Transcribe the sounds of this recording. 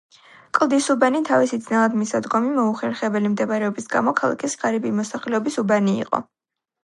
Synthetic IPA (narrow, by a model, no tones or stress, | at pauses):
kʼlˠd̪isubanit̪ʰavisid̪znalˠad̪misad̪ɡɔmimɔuχɛɾχɛbɛlimd̪ɛbaɾɛɔbisɡa̰mɔkʰalˠa̰kʰisʁaɾibimɔsaχlɛɔbisubanḭːqʼɔ̰